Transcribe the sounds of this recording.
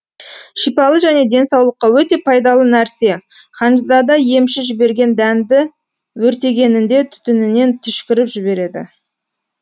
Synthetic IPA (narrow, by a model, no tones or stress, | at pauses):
ʃijpɑlˠəʒæne̞d̪e̞nsɑwlˠəqːɑwɵt̪e̞pʰɑjd̪ɑlˠənæɾse̞ | χɑnʒzɑd̪ɑje̞mʃɪʒɪbe̞ɾɡʲe̞nd̪ænd̪ɪ | wɵɾt̪e̞ɡʲe̞nɪnd̪e̞t̪ʰʏ̥t̪ʏnɪne̞nt̪ʰʏʃkʲɪɾɪpʒɪbe̞ɾe̞d̪ɪ̰